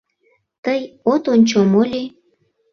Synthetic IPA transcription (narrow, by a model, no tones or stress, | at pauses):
t̪əjot̪onʲt͡ɕomolʲi